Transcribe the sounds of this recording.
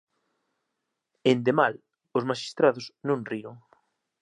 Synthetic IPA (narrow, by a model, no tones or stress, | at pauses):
end̪emal | osmaʃi̥st̪ɾaðʊsnõŋriɾoŋ